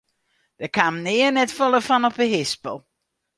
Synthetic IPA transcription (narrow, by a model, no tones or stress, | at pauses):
d̥əkamnɪərnɛtfɔlˠəfɔnɔpəɦɪspəlˠ